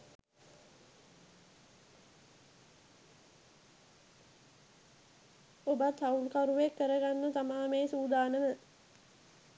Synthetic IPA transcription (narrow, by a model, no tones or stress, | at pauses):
obat̪haulkaɾuʋekːəɾəɡanːət̪amaːmeːsuːd̪aːnəmə